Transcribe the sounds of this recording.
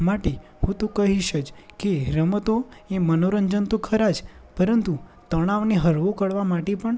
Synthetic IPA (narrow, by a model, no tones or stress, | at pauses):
maʈe | hũt̪okəɦiʃət͡ʃkeɾəmət̪o | emənoɾənd͡ʒənt̪okʰəɾad͡ʒ | pəɾənt̪ut̪əɽ̃aʋneɦəɾʋokəɽʋamaʈepəɳ